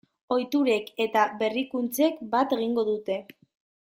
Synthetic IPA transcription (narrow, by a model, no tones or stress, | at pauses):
o̞jt̪uɾe̞ke̞t̪aβe̞rikunt͡se̞kbat̪e̞ɣ̞iŋɡo̞ðut̪e̞